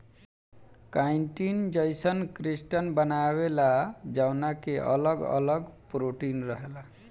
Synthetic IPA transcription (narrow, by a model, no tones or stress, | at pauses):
kaiɳʈind͡ʒʌjsənkɾisʈənbənabelad͡ʒawnakeʔʌ̰lʌɡʌ̰lʌɡpɾoʈinɾʌɦela